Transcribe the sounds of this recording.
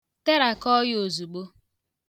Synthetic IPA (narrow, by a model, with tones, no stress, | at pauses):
te˦ɾa˨kɔ˦jo˨zu˨ɡ͡bo˦